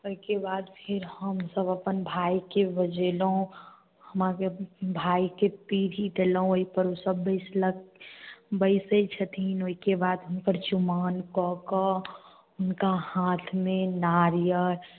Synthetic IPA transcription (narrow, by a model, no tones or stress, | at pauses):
oikebaːd̪pʰɪɾhəmsəbəpənbʱaːikebəd͡ʒelõ | həmakebʱaːikepiːɾiɖ̪elɦõoipəɾosəbːəɪslək | bəɪset͡ʃʰət̪ʰinoikebaːd̪ɦəmkəɾd͡ʒʊmaːnkɔːkə | ʊnkahaːt̪ʰmẽnaːɾjəɾ